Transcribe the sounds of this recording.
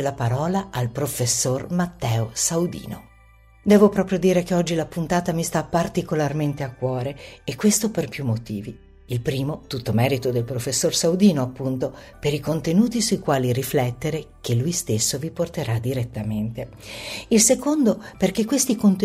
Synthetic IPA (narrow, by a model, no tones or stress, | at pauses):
elapaɾɔːlaʔalpɾofesːormat̪ːɛːosawd̪ḭːno | d̪ɛːvopɾɔːpɾjod̪iːɾekeɔd͡ʒːilapunt̪aːt̪amist̪apːart̪ikolarment̪eakːwɔːɾeːkːwest̪operpjumːot̪iːvi | ilpɾiːmot̪ut̪ːomɛːɾit̪od̪elpɾofesːorsawd̪iːnoapːunt̪opeɾikont̪enuːt̪isuikwaːliriflɛt̪ːeɾek̟elːujst̪esːoviport̪eɾad̪iɾet̪ːament̪e | ilsekond̪operkekːwest̪ikont̪e